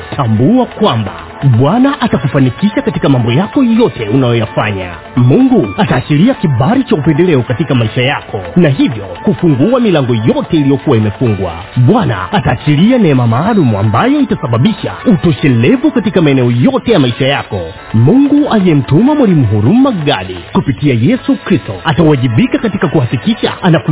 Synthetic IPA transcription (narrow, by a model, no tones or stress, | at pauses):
tʰambuakwamba̰ | ɓwanaʔatakufanikiʃakatikamambɔjakɔjɔtɛunajɔjafaɲa̰ | muŋɡuataːt͡ʃiɾiakiɓaɾit͡ʃaupɛndɛlɛɔkatikamaiʃajakʰɔnaɦivjɔkufuŋɡuamilaŋɡɔjɔtɛilijɔkuwaimɛfuŋɡwa̰ | ɓwana̰ːtaːt͡ʃiɾianɛmamaːlumua̰mbajɔitasaɓaɓiʃa̰utɔʃɛlɛvukatikamaɛnɛɔjɔtɛjamaiʃajakɔ | muŋɡualiɛm̩tumamwalimuɦuɾumaɠaɗḭkupitiajɛsukɾistɔatawaʄiɓikakatikakuhakikiʃa̰ana